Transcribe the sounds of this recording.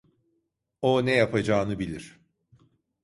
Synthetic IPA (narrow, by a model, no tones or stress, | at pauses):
onɛjapʰad͡ʒaːnɯbilʲiɾ̥